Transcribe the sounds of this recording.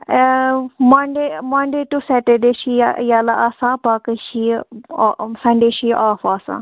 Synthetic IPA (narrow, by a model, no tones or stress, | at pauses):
maɳɖemaːɳɖeʈusɛʈeɖeʃijalaʔasãpaːkəʃi | sɐ̃ɳɖeʃiʔaːfaːsã̰ː